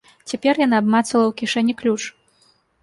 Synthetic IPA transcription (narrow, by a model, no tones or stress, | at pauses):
t͡sʲapʲɛrjanaːbmat̪sɐlˠɐwkʲiʂɛnʲiklʲut͡ʂ